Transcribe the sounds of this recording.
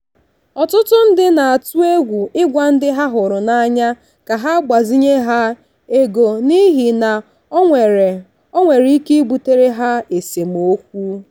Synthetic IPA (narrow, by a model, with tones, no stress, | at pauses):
ɔ˨tʊ˦tʊ˦n̩˦dɪ˦na˨a˨tu˦e˦ɡʷu˨ɪ˦ɡʷa˨n̩˦dɪ˦ɦa˦ɦʊ˨ɾʊ˨na˦ɲa˦ | ka˨ɦa˦ɡa˨zi˦ɲe˦ɦa˦ | e˦ɡo˨ni˦ɦi˨na˨˦˨ | ɾe˨ | ɔ˦ŋʷe˨ɾi˦ke˦ɡ͡bu˨te˦ɾe˦ɦa˦e˨se˨m˨o˦kʷu˦